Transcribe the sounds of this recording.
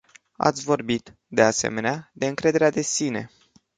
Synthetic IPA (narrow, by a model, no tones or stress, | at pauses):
a̰t̪sʲvo̞rbit̪ | d̪e̞ase̞̰me̞nead̪e̞ɨŋkɾe̞d̪e̞ɾead̪e̞sine̞̰